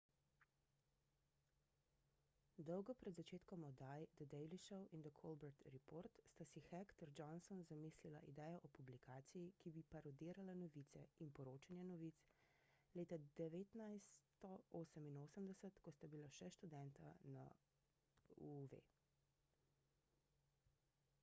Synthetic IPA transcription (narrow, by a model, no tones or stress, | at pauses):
d̪ɔwɡɔpɾɛd̪zat͡ʃeːt̪kɔmɔd̪ajd̪əd̪ɛjliʃɔwʔind̪əkʰɔlbɛɾt̪ɾipoːɾt̪st̪asixɛkt̪əɾd͡ʒɔnsɔnzamislilaʔid̪ɛːjɔʔɔpublikʰaːt̪sijikibipaɾɔd̪iːɾalanɔʋit̪sɛinpɔɾoːt͡ʃanjɛnɔʋiːt̪s | leːt̪ad̪ɛʋeːt̪najst̪ɔoːsəminoːsəmd̪ɛsət̪kɔst̪abilaʃɛʃt̪ud̪ɛnt̪ana̰ | uvḛ